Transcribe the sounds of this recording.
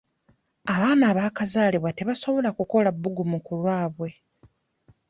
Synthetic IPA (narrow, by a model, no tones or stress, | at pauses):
aβaːnaːβaːkazaːliβwate̞βaso̞βo̞lakuko̞labːuɡumukulwaːβwe̞